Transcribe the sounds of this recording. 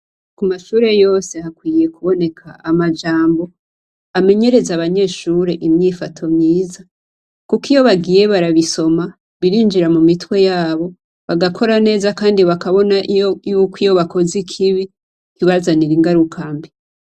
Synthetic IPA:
kumaʃuːɾe̞jo̞ːse̞hakwiːje̞kuβo̞ne̞kʰaʔamad͡ʒaːmbo̞ | ame̞ɲe̞ɾe̞zaβaɲe̞ːʃuɾe̞ʔimɲiːfatʰo̞mɲiːza | kukijo̞βaɡiːje̞βaɾaβiso̞ma | βiɾiːnd͡ʒiɾamumitwe̞jaːβo̞ | βaɡakʰo̞ɾane̞ːzakaːndiβakaβo̞naʔijukwijo̞βako̞zikʰiβi | kiβazaniɾiŋɡaɾukʰambi

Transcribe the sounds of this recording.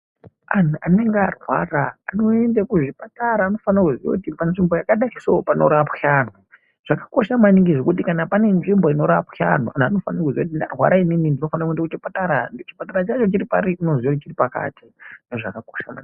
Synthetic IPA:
an̤a̰ne̞ŋɡarwa̰raano̞e̞ndekuʐipataɾaːno̞fanakuzio̰utipanʐimbo̞jakaɗaisoopano̞̰ɾapxano | ʐ̥akḁko̞ʃamaniŋɡiʐekutikanapane̞nʐimbo̞ino̞ɾapxa̰n̤oanano̞fanakuziout̬indarwa̰ɾaininindino̞fanakuendakut͡ʃipataɾant͡ʃi̥pataɾat͡ʃat͡ʃo̞t͡ʃiɾipaɾiinoziot͡ʃiripaka̰tindoʐakako̞̥ʃama̰ni

